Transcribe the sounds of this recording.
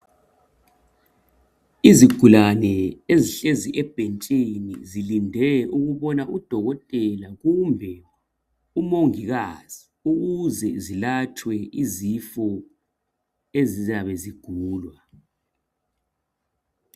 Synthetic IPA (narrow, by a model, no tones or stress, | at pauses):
iziɡ̥ʱulanɛeziɬeziʔɛb̥ʱent͡ʃʼinḭzilindʱɛuɣuβɔnaʔud̥ʱɔɣɔtʼɛlaɣumbʱɛ | umoŋiɣaz̥i | uɣuzɛzilat͡ʃʰwɛizifɔ | ezizaβɛziɡ̥ʱuːlwa